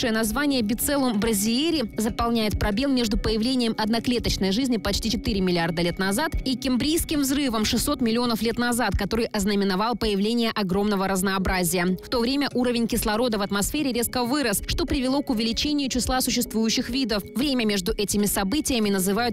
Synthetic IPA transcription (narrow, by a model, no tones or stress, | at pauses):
ʂɨjənɐzvanʲɪjəbʲɪt̪sɛlˠʊmbɾəzʲɪeɾʲɪzəpɐlˠnʲæjɪt̪̚pɾɐbʲe̞lˠmʲe̞ʐd̪ʊpəjɪvlʲenʲɪjəmɐd̪nɐklʲe̞t̪ət͡ɕnəjʐɨzʲnʲɪpɐt͡ɕtʲit͡ɕɪt̪ɨɾʲɪmʲɪlʲɪard̪əlʲe̞t̪nɐzat̪ikʲɪmbɾʲijskʲɪmvzɾɨvəmʂɨsʲːo̞t̪mʲɪlʲɪo̞nəflʲe̞t̪nɐzat̪kɐt̪o̞ɾɨjʔɐznəmʲɪnɐvɑlˠpəjɪvlʲenʲɪjəʔɐɡɾo̞mnəvəɾəznɐːbɾazʲɪjəft̪o̞vɾʲemʲəʔuɾəvʲɪnʲkʲɪslˠɐɾo̞d̪əvɐt̪mɐsfʲeɾʲɪɾʲe̞skəvɨɾəsʂt̪o̞pɾʲɪvʲɪlˠo̞kʊvʲɪlʲɪt͡ɕenʲɪjʊt͡ɕɪslˠasʊɕːɪst̪vujʉɕːɪxvʲid̪əfvɾʲemʲəmʲe̞ʐd̪ʊʔɛtʲɪmʲɪsɐbɨtʲɪjəmʲɪnəzɨvajʊt̪̚